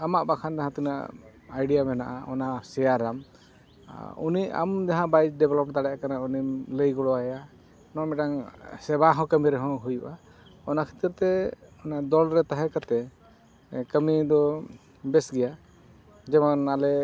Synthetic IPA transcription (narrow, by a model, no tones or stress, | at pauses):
amaʔbakʰand̪aɦãt̪ina̰ʔ | ajɖijamɛna̰ʔa̰ɔ̰nasɛjaɾːam | unia̰md͡ʒaɦãbajd͡ʒɖɛbɛlɔp̚d̪aɽɛjʔakanaunimləjɡɔɽɔaja | nɔmɛʈaŋsɛbaɦɔ̃kəmiɾɛɦɔ̃ɦujuʔa | ɔnakʰi̥t̪iɾt̪ɛɔnad̪ɔlɾɛt̪aɦɛ̃kat̪ɛ | kəmid̪ɔ | bɛsɡɛja | d͡ʒɛmanalɛ